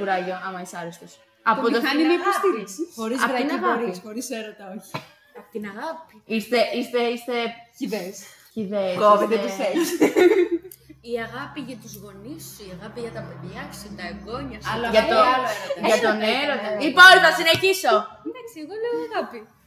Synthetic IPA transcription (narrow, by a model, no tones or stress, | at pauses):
uɾɐʝoɐmɐisɐɾest̪os | ɐpot̪oɐnimɐipost̪iɾiksixoɾizɐpot̪innɣɐɾisxoɾiseɾot̪ɐoçi | ɐpt̪inɐɣɐpiist̪e̞ʔist̪eist̪e̞çiðes | çiðeskot̪eses | iɐɣɐpiʝɐt̪uzɣo̞nisiɐɣɐpiʝɐt̪ɐpeðʝɐksint̪ɐeɡoɲɐsɐlɐʝɐolʝɐt̪o̞neɾot̪ɐipoɾt̪ɐsineçiso̞d̪ɐksieɣoleoiɐɣɐpi